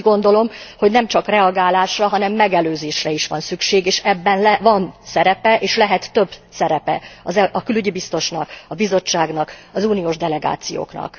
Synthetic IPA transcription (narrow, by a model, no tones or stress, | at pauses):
ɡo̞nd̪o̞lo̞mho̞ɟnɛmt͡ʃɒkrɛɒɡaːlaːʃrɒɦɒnɛmːɛɡɛløːzeːʃrɛiʃʋɒnsykʃeːɡeːʃɛbːɛnlɛvɒnsɛɾɛpɛʔeːʃlɛɦɛt̪ːø̞bsɛɾɛpɛ̰ɒzɛɒkylyɟibist̪o̞ʃnɒkɒbizo̞t͡ʃːaːɡnɒkɒzuːnijoːʒd̪ɛlɛɡa̰ːt̪sijo̰ːknɒ̰k